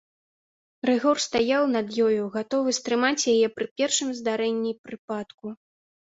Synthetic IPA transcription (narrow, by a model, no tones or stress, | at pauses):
rɨɣɔrst̪ajawn̪ɐd̪jɔjuɣat̪ɔvɨst̪ɾɨmat͡sʲjajɛpɾɨpʲɛrʂɨmzd̪aɾɛnʲːipɾɨpat̪ku